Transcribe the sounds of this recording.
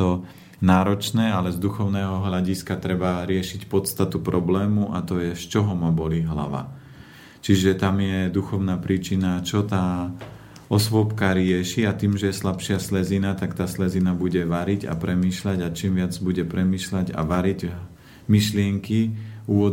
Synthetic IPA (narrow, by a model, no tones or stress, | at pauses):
ɔ | naːɾɔt͡ʃnɛːalɛzd̪uxɔʊnɛːɦɔɦlaɟiskat̪ɾɛbaɾɪɛʃicpɔt̪st̪at̪upɾɔblɛːmuʔat̪ɔjɛʃt͡ʃɔɦɔmabɔliɦla̰ʋa̰ | t͡ʃiʒɛt̪amjɛd̪uxɔʊnaːpɾiːt͡ʃinat͡ʃɔt̪aː | ɔsʋɔpkaɾɪɛʃiat̪iːmʒɛjɛslapʃɪaslɛzinat̪akt̪aːslɛzinabuɟɛʋaɾiɟa̰pɾɛmiːʃlaɟat͡ʃiːmʋɪad͡zbuɟɛpɾɛmiːʃlaɟa̰ʋaɾiɟ | miʃlɪɛŋkiuːʋɔ